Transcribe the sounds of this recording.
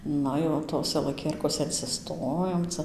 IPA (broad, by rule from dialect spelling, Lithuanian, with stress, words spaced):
ˈnɐ jɛʊ ˈtoːsʲɛ lˠɐˈkʲiɛrkoːsʲɛ ɪnʲsʲɪˈstoːjoːm ˈt͡sɐ